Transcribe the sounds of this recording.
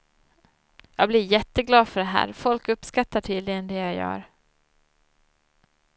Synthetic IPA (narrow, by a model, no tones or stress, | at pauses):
jɑːɡ̚blɪɾjɛt̪ːəɡlɑːd̪fœɖɛɦæ̰ːɾfɔlkɵpːskat̪ːaʈʰiːd̪lɪɡənd̪ɛjajœ̰ːɾ